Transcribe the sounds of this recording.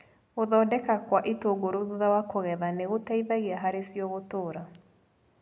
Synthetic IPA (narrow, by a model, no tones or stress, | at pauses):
ɣoðɔːdɛkakwaʔitoɡoɾoðuðawakoɣɛðaneɣotaiðaɣeaɦaɾesjɔɣotoːɾa